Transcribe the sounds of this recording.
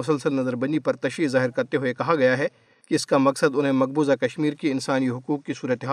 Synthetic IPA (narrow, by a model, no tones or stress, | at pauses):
ʊsəlsəlnɐzəɾbɐnipɐɾt̪ɐʃiːzaːɦɪɾkɐɾt̪eɦoekɐɦaɡɐjaɦɛ | kiɪskamɐksəd̪ʊnɦẽmɐq̚buːzakɐʃmiːɾkiɪnsaːniɦʊkuːkːisuːɾət̪eɦaː